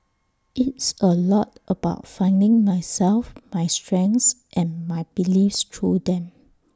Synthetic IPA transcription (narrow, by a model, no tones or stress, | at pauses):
ʔitsəlɔtʔəbaʊt̚fãɪ̃ndɪ̃ŋmajsɛlfmajstɹɛ̃ŋsʔɛ̃nmajbilifstʰɹudɛ̃m